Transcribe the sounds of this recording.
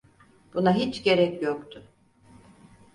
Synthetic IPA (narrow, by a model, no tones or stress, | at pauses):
b̥unaɦit͡ʃɟe̞ɾɛcjokt̪ʰʊ